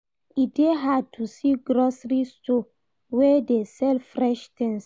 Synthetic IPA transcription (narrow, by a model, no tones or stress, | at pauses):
ideɦad̚tʰusiɡɾosɹisto | wɛdesɛlfɹɛʃt̪ɛ̃ŋs